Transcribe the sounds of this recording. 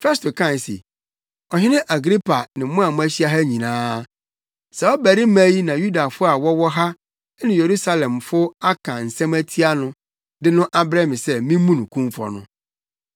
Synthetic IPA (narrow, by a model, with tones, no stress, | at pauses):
fɛ˦s̬tʊ˨kʰã˦˨n˨sḛ˨ | ɔ˨ɦɪ̃˦nɪ̃˦ʔa˨ɡɾi˦pʰa˨nɪ̃˨˦mʊ̃˦a˨mʊ̃˦æ˦ɕi˦a˦ɦa˦ɲĩ˨nãː˦ | sɛ˨ɔ˦bæ˨ɾɪ˦mæ̃˦ji˦nã˨ju˦da˨fʊ˦a˨wɔ˦wɔ˦ɦa˦ | nɪ̃˨je˨ɾu˦sa˦lɛ̃˨mfʊ˦a˦kʰã˨n̩˨sæ̃˦mæ˦tʰi˦a˦nʊ̃˦ | dɪ˦nʊ̃˦ʔa˦bɾɛ˦mɪ̃˨sɛ˦mĩ˦mũ˦nʊ̃˨kʰũ˦mfɔ̰˨nʊ̰̃˦